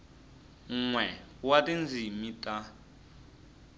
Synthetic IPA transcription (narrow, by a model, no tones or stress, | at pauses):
ŋ̩ŋwɛwatʼind͡zimitʼa